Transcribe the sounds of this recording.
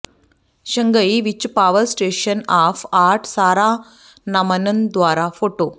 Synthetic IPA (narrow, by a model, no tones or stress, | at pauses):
ʃɐŋɡɐiʋit͡ʃːupaːʋɐɾsʈeːʂɐnaːfaːɾʈsaːɾaː | nɐmɐnɐnd̪ʋaːɾaːfoːʈoː